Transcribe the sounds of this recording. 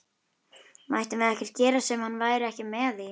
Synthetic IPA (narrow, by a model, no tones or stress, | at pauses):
majht̪ʏmvɛðɛhcvɛr̥t̪cɛːɾasɛmhanːvaːjɾɪɛhcɪmɛːðɪ